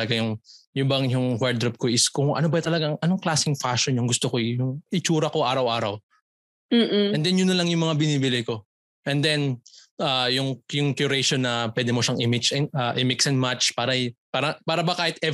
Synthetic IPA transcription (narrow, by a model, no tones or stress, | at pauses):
lɐɡajʊŋjʊmbɐŋjʊŋwɛɹ̚d̪ɾop̚koʔɪskʊŋʔɐ̰nobɐt̪ɐlɐɡaŋʔɐnoŋklaːsɪŋfaʃonjʊŋɡʊst̪okojʊŋɪt͡ʃuːɾɐko̞ʔaːɾɐwʔaːɾɐw | m̩ːɛnd̪ɛnjʊnːɐlɐŋjʊŋmɐŋabɪniːbɪlɪko̞ | ʔɛnd̪ɛn | ʔaːjʊŋjʊŋkjʊɾɛʃonːɐpwɛːd̪ɪmoʃaŋʔɪmɪd͡ʒɛnaʔɪmɪksɛnmat͡ʃpaːɾɐpaːɾɐpaːɾɐbɐkaːhɪt̪̚ʔɛ